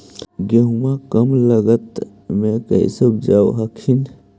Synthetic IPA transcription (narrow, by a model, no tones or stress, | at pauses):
ɡəɦuakəmləɡət̪ | mẽkə̰ḭsəbd͡ʒawɦɐkʰin